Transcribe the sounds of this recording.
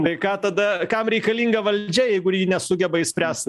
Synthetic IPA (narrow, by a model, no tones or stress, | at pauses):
t̪ɐɪkɑːt̪ɐd̪ɐkɐmɾʲɛɪkɐlʲiːŋɡɐʋɐlʲd͡ʒʲɛjɛɪɡʊjiːnʲɛsʊɡʲɛbɐɪsʲpʲɾʲæːsʲt̪ʲ